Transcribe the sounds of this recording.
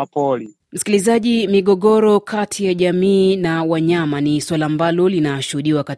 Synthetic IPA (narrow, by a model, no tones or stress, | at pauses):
pɔli | m̩si̥kilizaʄimiɠɔɠɔɾɔkʰatʰijaʄamiːnawaɲamaniswalaːmbalɔlinaʃuhuɗiwaka